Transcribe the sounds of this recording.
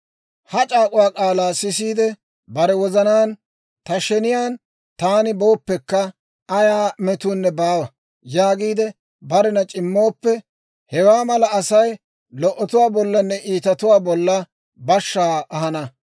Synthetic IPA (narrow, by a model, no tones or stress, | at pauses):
hɐt͡ʃʼaːkʼʊwaːkʼaːlaːsɪsiːd̪ɛ | bɐɾɛwɔzɐnaːn | t̪ɐʃɛnɪjaːn | t̪aːnɪbo̞ːpːɛkːɐ | ɐjaːmɛt̪ʊnːɛbaːwɐ | jaːɡiːd̪ɛ | bɐɾɛnɐt͡ʃʼɪmːo̞ːpːɛ | hɛwaːmɐlɐːsɐj | lɔʔːɔt̪ʊwaːbɔlːɐnːɛʔiːt̪ɐt̪ʊwaːbɔlːɐ | bɐʃːaːʔɐɦɐnɐ